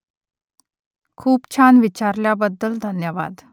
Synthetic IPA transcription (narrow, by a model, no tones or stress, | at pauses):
kʰuːpt͡ɕʰanʋit͡ɕaɾljabəd̪ːəld̪ʱənjəʋa̰d̪